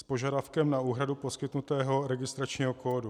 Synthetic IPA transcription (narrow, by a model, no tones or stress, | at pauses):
spo̞ʒadafkɛmnauːɦɾadupo̞skɪt̪nut̪ɛːɦo̞ɾɛɡɪst̪ɾat͡ʃɲiːɦoko̞ːdu